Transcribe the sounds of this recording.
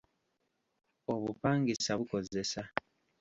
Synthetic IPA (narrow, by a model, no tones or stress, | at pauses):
o̞βupaːŋɡisaβuko̞ze̞sa